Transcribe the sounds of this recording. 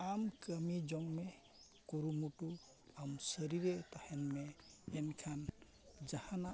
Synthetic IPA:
amkəmid͡ʒɔŋme | kuɾumuʈu | amsəɾiɾet̪ahɛnmɛːnkʰan | d͡ʒahana

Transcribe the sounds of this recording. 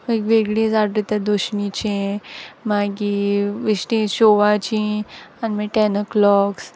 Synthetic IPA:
ekʋeɡɭĩd͡zaɽɾit̪ãd̪oɕnit͡ɕẽmaɡiʋiɕʈĩɕoʋat͡ɕĩanmeʈɛnəklɔks

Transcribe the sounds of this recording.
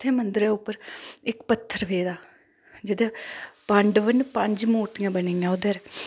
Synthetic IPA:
t̪ʰːeːmənd̪ɾeːʊpːəɾɪkpət̪ʰːəɾʋeːd̪aː | d͡ʒɪd̪eːpəɳɖʋənpəɲd͡ʒmuːɾt̪ɪjãːbəniːãːod̪əɾ

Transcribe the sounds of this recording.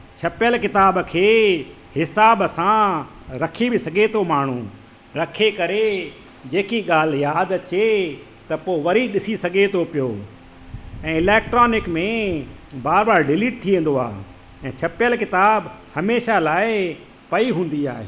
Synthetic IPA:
t͡ɕʰɐpjəlkɪt̪aːbkʰeː | hɪsaːbsã | ɾɐkʰibɪsɐɡʱet̪ʰomaːɳ̤ũː | ɾɐkʰekɐɾe | d͡ʑeːkiɠaːl̤jaːd̪ɐt͡ɕe | t̪ɐpoːʋɐɾiɗɪsisɐɡʱet̪ʰopɪjoː | ɛ̃ːɪlɛːk̚ʈɾoːnɪkmẽ | baːɾbaːɾɖɪliːʈ̚t̪ʰiʋẽːn̆d̪oa̰ːɦ | ɛ̃ːt͡ɕʰɐpɪjəlkɪt̪aːb | hɐmeːʃalaːɪ | pɐiɦũːn̆d̪ia̰ːɦḛː

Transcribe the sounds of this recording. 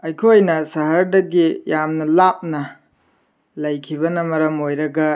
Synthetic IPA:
ɐjkʰojnɐsɐɦɐɾdɐɡijamnɐlap̚nɐ | lɐjkʰiβɐnɐmɐɾɐmojɾɐɡɐ

